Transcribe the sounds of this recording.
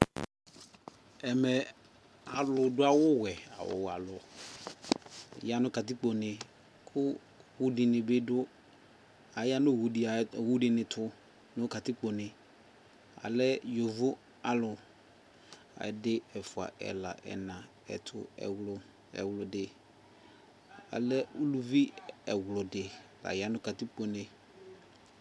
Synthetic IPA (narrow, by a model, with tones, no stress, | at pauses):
ɛ˨mɛ˨ | a˨lʊ˨dʊ˦a˨wʊ˦wɛ˨a̰˨wʊ̰˨wa˨lʊ˨ | ja˦nʊ̃˦ka˨tɪ˦k͡po˨nɪ˨ | kʰʊ˦ | wu˦dɪ˨nɪ˨bɪ˦dʊ˦ | a˨ja˦nʊ˦˨wu˨di˨wu˦dɪ˨nɪ̃˨tʰʊ˦ | nʊ˦ka˨tɪ˦k͡po˨nɪ˨ | a̰˨lɛ˦jo˨vʊ˦ | a˨lʊ˨ | a̰˨dɪ˦ɛ˨fʊ˨a̰˨ʔɛ̰˨la̰˨ʔɛ̰˨nã˨ | ɛ̰˨tʰʊ̰˨ɛ̰˨wlʊ˨ | ɛ̰˨wlʊ˨dɪ˨ | a̰˨lɛ˦u˦lu˦vi˦ɛ˨wlʊ˨dɪ˨la̰˨ja˦nʊ˦ka˨ti˦k͡po˨nɪ˨